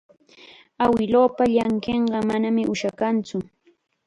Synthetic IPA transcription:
awɪloːpaʎaŋkeɴɢɑmanamɪʔʊʃakant͡sʊ

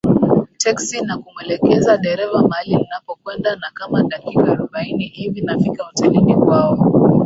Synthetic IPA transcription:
tʰɛksinakumwɛlɛkɛzaɗɛɾɛvamaalininapɔkwɛndanakamaɗakikaaɾuɓainihivinafikautalinikwaɔ

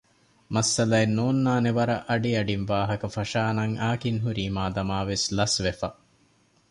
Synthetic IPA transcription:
mɐsːɐlɐenːoːnːaːneʋɐɾɐʔɐɖiɐɖinʋaːɦɐkɐfɐʃaːnɐŋaːkiŋɦuɾiːmaːd̪ɐmaːʋeslɐsʋefɐ

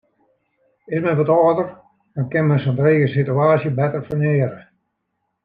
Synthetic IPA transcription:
ɪsmɛnʋɔtɔːdər | dɔnkɪnmɛnsɔntreːɣəsityaːsjəbɛtərfərnɪːɾə

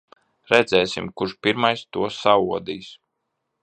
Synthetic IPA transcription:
ɾɛd̪zɛːsḭmkuɾʃpiɾmajst̪uɔsauɔd̪iːs

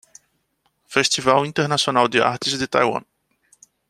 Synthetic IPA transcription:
fest̪ivawĩnt̪eɾnasionawd̪ɪa̰ɾt̪ɪzd̪ɪt̪a̰jwɐ̰̃n

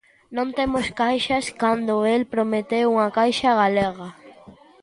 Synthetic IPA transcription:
nõnt̪emoskajʃɐskand̪oelpɾomet̪euŋɐkajʃɐɣaleɣɐ

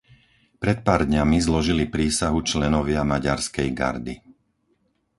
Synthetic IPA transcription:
pɾɛt̪̚paːɾd̪ɲamizlɔʒilipɾiːsaɦut͡ʃlɛnɔʋɪamaɟaɾskɛjɡa̰ɾd̪i

